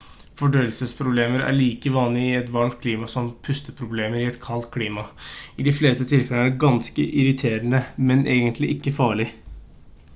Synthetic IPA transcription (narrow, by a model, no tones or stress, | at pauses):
fɔɖøːəlsəspʰɾʊbleːməɾæ̰ɭiːkəʋɑːnlɪɪɛt̪ʋɑlkʰliːmɑsɔmpʰʉst̪əpʰɾʊbleːməɾɪɛt̪kʰɑlt̪̚kʰliːmɑɪd̪ɪfleːst̪ət̪ʰɪlfɛlənæɖɛɡɑnskəʔɪɾɪt̪ʰeːɾənəmɛnʔeːɡənt̪ʰlɪʔɪkːəfɑːɭɪ